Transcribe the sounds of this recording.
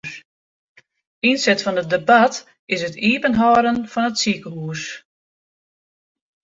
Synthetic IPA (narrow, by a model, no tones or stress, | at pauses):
insɛtfɔnət̚dəbat | ɪsətʰiːpənɦɔːɾənfɔnətsikəɦuːs